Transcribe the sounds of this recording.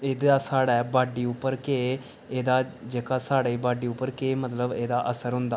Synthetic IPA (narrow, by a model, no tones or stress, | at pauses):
eːd̪aːsaːɽaːbaːɖiːʊpːəɾkeː | eːd̪aːd͡ʒeːkaːsaːɽeːbaːɖiːʊpːəɾkeːmət̪ləbeːd̪aːʔəsəɾɦʊ̃nd̪aː